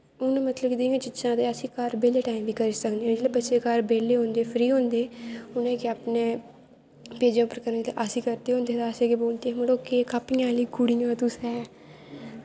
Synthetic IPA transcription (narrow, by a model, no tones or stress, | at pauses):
ʊnmət̪ləkd̪ɪjãːt͡ʃɪt͡ʃãːt̪eːəsĩːkəɾbeːleːʈaːimʋiːkəɾisəkd̪eɦɛ̃ːd͡ʒeːlebətːʃeːkaɾbeːleːɦõːnd̪eːpʰɾiːɦõːnd̪eːʊnẽːkeaːpnẽː | peːd͡ʒãːpəɾkəɾt̪eʔasĩːkəɾt̪eːɦõːnd̪eːt̪aːsẽːkeboːlt̪eːməɽoːkeːkaːpɪjãːliːkʊɽiːjãːt̪ʊsɛː